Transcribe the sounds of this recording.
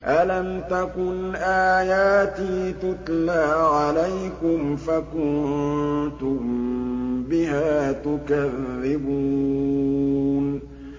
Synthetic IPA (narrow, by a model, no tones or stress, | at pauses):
ʔalamt̪akʊnʔaːjaːt̪iːt̪ʊt̪ˤlaːʕalajkʊmfakʊnt̪ʊm | bɪhaːt̪ʊkaðːɪbuː | n